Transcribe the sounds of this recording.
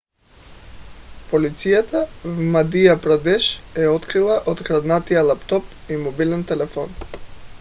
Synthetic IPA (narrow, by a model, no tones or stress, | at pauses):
polit̪sijat̪avmad̪ijapɾad̪ɛʃɛɔt̪kɾilˠaʔot̪kɾad̪nat̪ijalˠapt̪ɔp | imɔbilɛnt̪ɛlɛfɔn